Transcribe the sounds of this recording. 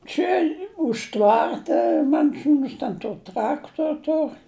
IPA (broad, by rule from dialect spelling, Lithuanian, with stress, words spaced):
ˈt͡ʃʲɛ ʊʃ ˈtʋɐrtɐ ˈmɐn ˈsuːns tʲɛn ˈtoːr ˈtrɑːktoːr ˈtoːr